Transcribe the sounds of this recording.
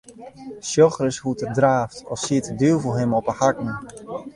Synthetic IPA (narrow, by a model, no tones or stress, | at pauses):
sjɔxrəshutərdraːftɔsiətədyvəlˠɦɪmɔpəhakŋ̩